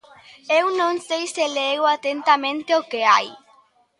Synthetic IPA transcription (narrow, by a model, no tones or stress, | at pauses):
ewnõŋsejseleɣoat̪ent̪amẽnt̪eokeaj